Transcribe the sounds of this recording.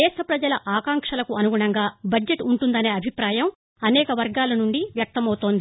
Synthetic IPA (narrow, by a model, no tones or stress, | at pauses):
ɛːʂɾɐpɾɐd͡ʒɐlɐʔaːkaːŋkʂɐlɐkuʔɐnuɡuɳɐŋɡaːbɐd͡ʒeʈuɳʈund̪ɐne̞ːɐbʱipɾaːjɐm | ɐnɛːkɐʋɐɾɡaːlɐnuɳɖiʋjɐk̚t̪ɐmɐwut̪o̞ːnd̪i